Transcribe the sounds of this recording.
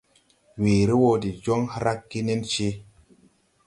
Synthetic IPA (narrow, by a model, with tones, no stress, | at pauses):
weː˨ɾi˦wo˧di˨d͡ʒo˦ŋhɾa˦kːi˦ne˦nt͡ʃi˧